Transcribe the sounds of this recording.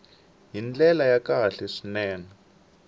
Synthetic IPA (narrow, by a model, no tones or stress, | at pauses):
ɦind͡ɮɛlajakaɬɛʂinɛːna